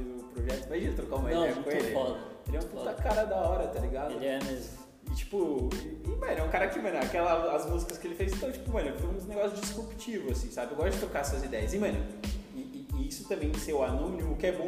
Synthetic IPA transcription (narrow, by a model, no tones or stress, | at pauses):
d̪ʊpɾoʒɛt̪ʊmaʒĩnɐt̪ɾokaumɐd̪̃ɛjɐkkõelɪfɔd̪ɐelɛũput̪ɐkaɾɐd̪aɔɾɐt̪aliɡadeʊlɪɛmezm | ɪt͡ʃi̥pʊɪmɐ̃nʊɛũkaɾɐkɪmɐ̃nʊakɛlɐɐzmuzikɐskɪelɪfejzɪt̪ɐ̃w̃t͡ʃi̥pʊmɐ̃nʊfoj̃ũneɡɔsjʊd͡ʒishupi̥t͡ʃivʊasĩsabɪewɡɔst̪ʊd͡ʒɪt̪ɾokasuɐzid̪ɛjɐzimɐ̃nʊɪːisʊ̥t̪ɐ̃mẽj̃sewanũnimʊkɪɛbõ